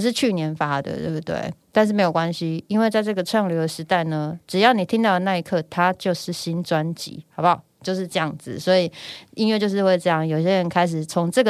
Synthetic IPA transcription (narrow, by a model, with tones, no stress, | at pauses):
ʂ̬ɻ̩˥˧t͡ɕʰy˥˩njɛ˧˥nfa˦d̪ə̰˨˩t̪we˥˧˩bu˥t̪wḛ˥˩ɪt̪nʂ̬ɻ̩˥˩e˧˥jo˨˩kwa˦nɕi˨i˥nwe˥˧ɪt͡sa˥˧ɪʈ͡ʂɤ˥˩ɡə˩ʈ͡ʂʰwa˥˩ŋljo˧˥ʊə˨ʂɻ̩˧˥t̪a˥˩ɪnə˦ʈ͡ʂɻ̩˨˩jɑ˥˩ʊni˨˩t̪ʰi˥ŋt̪ɑ˥˩ʊd̪ə˩na˥˧i˧˥kʰɤ˥˩t̪ʰa˦t͡ɕjo˥˧ʊʂɻ̩˥˩ɕi˦nt͡swa˦nt͡ɕḭ˧˥˦xɑ˧˥ʊba˨˩ | t͡ɕjo˥˧ʊʂ̬ɻ̩˥˧ʈ͡ʂɤ˥˧jɑ˥˩ŋd͡zɹ̩˨˩swɔ˧˥i˨˩i˥nwɥɛ˥˧t͡ɕjo˥˧ʊʂɻ̩˥˧we˥˧ɪʈ͡ʂɤ˥˧jɑ˥˩ŋjo˨˩ʊi˨ɕjɛ˦˥ɻə˧˦nkʰa˥ɪʂ̬ɻ̩˨˩t͡sʰo˧˦˥ŋʈ͡ʂɤ˥˩ɡə